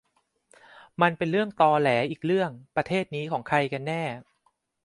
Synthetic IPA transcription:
ma˧npe˧nɾɯ˥˩əŋt̪ɔː˧lɛː˩˦ʔiː˨˩k̚ɾɯ˥˩əŋpɾa˧t̪ʰeː˥˩t̪̚niː˦˥kʰɔː˩˦ŋkʰa˧jka˧nːɛː˥˩

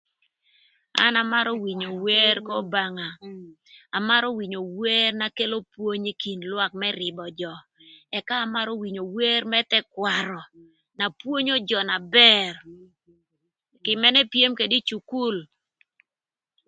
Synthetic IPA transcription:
a̰˦na˨ma˦ɾo˦wi˨ɲo˨we˦ɾkɔ˦ba˨ŋa˨ | a˨ma˦ɾɔ˦wi˨ɲo˨we˦rna˦ke˦lo˦pwo˦ɲi˦ki˨nlwa˦k̚mɛɾɪ˨bɔ˨d͡ʒɔ˨ | ɛ˨kaː˦ma˦ɾo˦wi˨ɲo˨we˦ɾmɛ˦tɛ˦kwa˨ɾɔ˨ | na˨pwo˦ɲo˦d͡ʒɔ˨na˨bɛ˦r | kɪ˨mɛ˦nɛ˦pje˦mke˨di˦t͡ʃu˨ku˦l

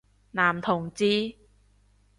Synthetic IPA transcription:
naː˨˩mt̪ʰo˨˩ŋt͡ɕiː˧

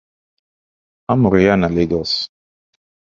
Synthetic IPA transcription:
a˦mu˨ɾija˦na˨leɡɔs

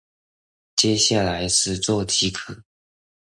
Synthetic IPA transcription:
t͡ɕjɛ˥˦ɕja˥˩la˧˦ɪʂɻ̩˥˧t͡swɔ˥˨t͡ɕʰi˧˥kʰɤ˨˩˦

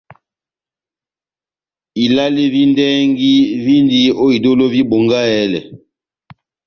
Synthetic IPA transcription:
i˨la˦li˦vi˦ndɛ˦ŋɡi˦vi˦ndi˦o˦i˨do˦lo˦vi˦bo˨ŋɡa˦ɛ˦lɛ˨

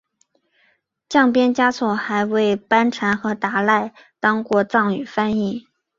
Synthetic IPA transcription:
t͡ɕjɑ˥˩ŋpjɛ˥nt͡ɕja˥t͡sʰwɔ˥˩xa˧˥ɪwe˥˩ɪpa˥nʈ͡ʂʰa˧˥nxɤ˧˥t̪a˧˥la˥˩ɪ | t̪ɑ˥ŋkwɔ˧˥˧t͡sɑ˥˩ŋy˨˩fa˥ni˥˩

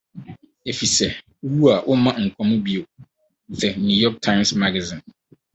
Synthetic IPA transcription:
e˨fi˨sɛ˨˦ | wu˦a˨ʔʊ˦mã˦ŋ̩˨kʷʰɔ̃˨mʊ̃˦bi˦o˨ | sɛ˨nũ˦jɔ˦k̚tʰã˦ɪ̃˦msma˦ɡa˨zĩ˨n

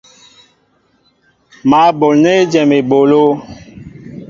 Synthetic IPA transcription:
ma˨˦bo˨lne˦d͡ʒɛ˨me˨ɓo˨lo˦

